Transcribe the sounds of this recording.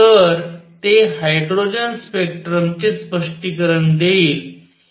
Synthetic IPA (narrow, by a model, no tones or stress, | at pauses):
əɾt̪eɦajɖɾod͡ʑənspek̚ʈɾəmt͡ɕespəʂʈikəɾəɳd̪eiːl